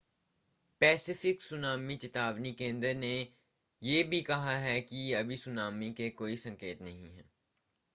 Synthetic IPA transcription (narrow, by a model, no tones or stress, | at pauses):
pɛːsɪfɪksʊnaːmit͡ʃɪt̪aːʋnikẽːnd̪əɾne | jeːbʱikɐɦaɦɛkiɐbʱisʊnaːmikekoːisɐ̃ŋkeːt̪nɐɦĩɦɛ̰̃ː